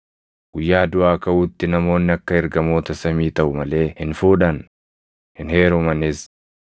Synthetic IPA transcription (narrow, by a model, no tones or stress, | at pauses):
ɡ̥ʊjːaːd̪ʊʔaːkɐʔuːt̪ːɪnɐmo̞ːnːɪɐkːɐɛɾɡɐmo̞ːt̪ɐsɐmiːt̪ɐʔʊmɐle̞ːhɪnfuːᶑɐn | hɪnhe̞ːɾɔmɐnɪs